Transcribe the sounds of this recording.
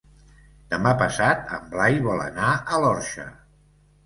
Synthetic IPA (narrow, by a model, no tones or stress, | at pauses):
d̪̥əmapəsat̪ə̰mblajβɔlə̰naəlɔɾʃə̰